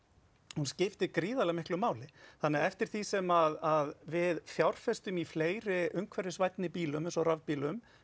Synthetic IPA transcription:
hunscɪft̪ɪkɾiːðalɛɣmɪhklʏmaːwlɪθanːɛaɛft̪ɪɾ̥θisɛmaðaðvɪðfjawɾ̥fɛst̪ʏmifleːjɾɪʔʏŋkʰvɛɾɪsvajt̪nɪpiːlʏmensɔravpiːlʏm

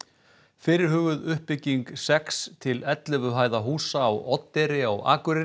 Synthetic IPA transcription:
fɪːɾɪɾ̥hʏːɣʏðʏhpɪcːiŋksɛkst̪ʰɪlɛt̪lɪvʏɦaːjðaɦuːsaːwʔɔt̪ːɛɾɪawa̰ːkʏɾɪ

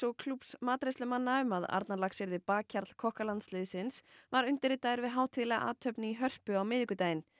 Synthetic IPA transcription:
sɔkʰlupsmaːt̪ɾɪslʏmanːaʏmaða̰ɾt̪nalaksɪɾðɪpaːkʰːaɾt̪l̥kʰɔhkalant̪slɪːðsɪnsvaɾʏn̥t̪ɪɾɪt̪aːɪɾvɪðɦaːwt̪ʰɪðlɛɣaʔa̰ːt̪ʰœpnɪiɦœr̥pʏawmɪːðiŋkʏt̪aːjɪn

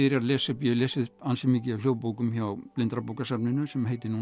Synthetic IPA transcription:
ɪɾaðlɛːsʏpjœlɛːsɪðansɪmɪcɪawljoːwpoːwkʏmçaːplɪnt̪ɾapowkasapnɪnʏsɛmheːjt̪ɪnu

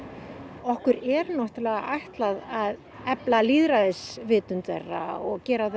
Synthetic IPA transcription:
ɔhkʏɾɛɾnɔht̪ʏɾlɛːɣa̰ʔajht̪laðað | ɛplaliːðɾaðɪsvɪːt̪ʏnt̪ɛ̰rːa̰ɔɣcɛːɾaθ

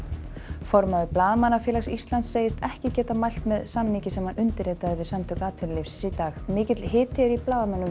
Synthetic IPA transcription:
fɔɾmaðʏplaːðmanafjɛːlaxsist̪lant̪seːjɪst̪ɛhcɪcɛːt̪amajl̥t̪mɛðsamnicɪsɛmhanʏnt̪ɪɾeːt̪aðvɪðsamt̪ʰʏkaːt̪ʰʏllefsɪ̥sit̪aːxmɪːcɪt̪l̥ɦɪːt̪ʰɪɾiplaːðmanːʏm

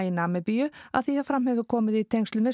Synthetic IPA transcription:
inaːmɛpijʏa̰ðθiafɾam̥hɛvʏkʰɔːmɪðit̪ʰejŋst̪lʏmɪ

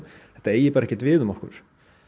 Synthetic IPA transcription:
ɛht̪aeːjɪpɑːɾɛhcːɛt̪vɪːðɔmɔhkʏ̰ɾ̥

